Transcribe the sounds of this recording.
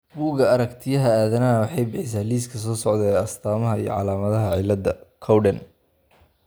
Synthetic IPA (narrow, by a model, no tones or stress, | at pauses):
buːɣɐɐɾɐkt̪ʰɪjɐɦɐaːðɐnɐɐwɑħɑjbɪħɪs̬aːliːskʰɐs̬ɔːsɔʕd̪ɛɐst̪ʰaːmɐɦɐḭjɔ̰ʕɑ̰laːmɐðɐɦɐʕɪlːɐd̪ɐkʰɔwɖɛn